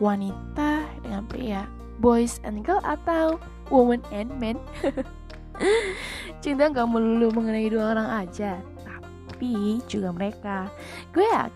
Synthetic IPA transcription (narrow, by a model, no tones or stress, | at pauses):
wanit̪adəŋanpḛja | bɔjsɛ̰nɡəlʔat̪aw | wumənɛnmɛn | t͡ʃiŋd̪aŋɡaʔməluluməŋənaiduaoɾaŋad͡ʒat̪a | pid͡ʒuɡaməɾeka | ɡuea̰